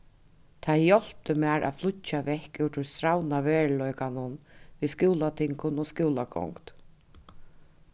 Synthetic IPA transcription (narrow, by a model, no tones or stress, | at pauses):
t̪ʰaðjɔl̥p̪əmɛːɹʔa̰ðflʊt͡ʃːaʋɛhkɪwt̪ʰɪɹst̪ɾawnaveːɻlɔjkanʊnviːðskɪwlat̪ʰɪŋkʊnɔskuːlakʰɔ̰ŋkt̪